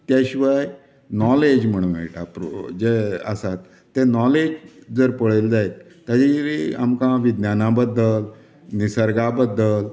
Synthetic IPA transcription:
t̪jaɕiʋaj | nɔled͡ʑm̤əɽ̃uʋɛ̰ʈʰapɾo̰d͡ʑeə̰sat̪ːenɔled͡ʑd͡zəɾpəɭeld͡zajt̪ | t̪atiɾia̰mkãʋid̪njanãbəd̪ːəl | nisəɾɡabəd̪ːəl

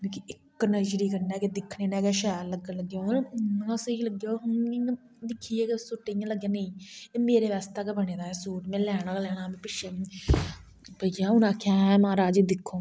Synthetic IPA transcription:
ekiɪkːnəd͡ʒɾiːkəɾnɛːked̪ɪkʰːneːnɛ̃ːɡeʃɛːɾləɡələɡjonasələɡjoɦʊñ | d̪ɪkʰːiːɛːkesʊʈːejãːləɡjãːneĩːeːmeːɾeːʋaːst̪aːkebəɳeːd̪aːɛːsoːʈmẽːlɛːɽ̃aːlɛːɽ̃aːmẽːpɪʃʰẽː | pəd͡ʒãːʊnãːkʰaːmaːɾaːd͡ʒeːd̪ɪkʰːoː

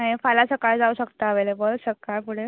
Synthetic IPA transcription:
aɦifalasəkaɾd͡zauɕəkt̪aːʋelebəɾsəkajpuɽ̤e

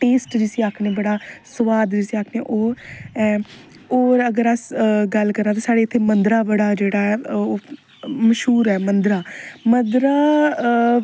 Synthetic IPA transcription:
ʈeːsʈd͡ʒɪsiːaːkʰneːbəɽaːsəʋaːd̪d͡ʒɪsiːaːkʰneːʔoːɾɛ | oːɾəɡəɾasɡəlkəɾnaːt̪ãːsaːɽeːɪt̪ʰːeːmənd̪ɾaːbəɽaːd͡ʒeːɽaːɛː | məʃɦuːɾɛːmənd̪ɾaːmənd̪ɾaː

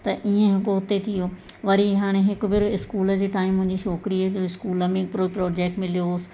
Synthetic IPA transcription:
t̪ɐʔiẽɦɪkoɦʊt̪ːet̪ʰijoː | ʋɐɾiɦaːɽ̃ẽɦɪkʊ̆bɪɾɪskuːləd͡ʑeːʈaːɪmːʊ̃ɦɪ̃ɲd͡ʑiʃoːkɪɾid͡ʑoɪskuːləmẽpɾopɾɔːd͡ʑeːk̚ʈmɪlijosɪ̥̆

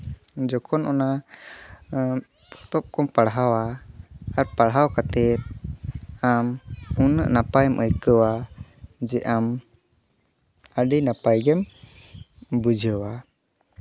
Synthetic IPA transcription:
d͡ʒɔkʰɔnʔɔna | ɔ̥t̪ɔp̚kɔmpaɽɦawaː | ɾpaɽɦawkat̪ɛt̪̚ | amunəʔnapajmʔəjkəwa | d͡ʒɛʔam | əɖijnapajɡɛm | bud͡ʒʱəwa

